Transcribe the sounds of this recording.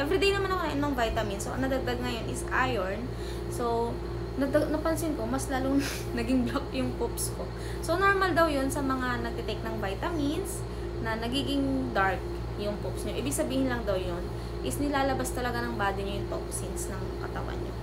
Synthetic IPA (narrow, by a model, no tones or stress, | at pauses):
ʔɛvɾid̪ejnɐmanɐkoʔɛnoŋvajt̪ɐmɪnsoʔɐ̰ŋnɐd̪ɐɡ̚d̪aɡ̚ŋɐjo̞nʔɪskajoɹn | so̞ | nɐd̪aɡnɐpɐnsɪnko̞mɐslaːloŋ | nɐɡɪŋblok̚jʊŋpopsko̞ | so̞no̞ɹmɐld̪ɐwjo̞nsɐmɐŋanɐɡ̚t̪ɛt̪ɛk̚nɐŋvajt̪ɐmɪns | nɐnɐɡiːɡɪŋd̪aɹk̚ | jʊŋpopsɲo̞ʔiːbɪɡ̚sɐbiːhɪnlɐŋd̪ɐwjon | ʔɪsnɪlaːlɐbast̪ɐlɐɡanɐŋbaːd̪ɪɲojʊŋp̪opsɪnsnɐŋkɐt̪ɐ̰wa̰nɲo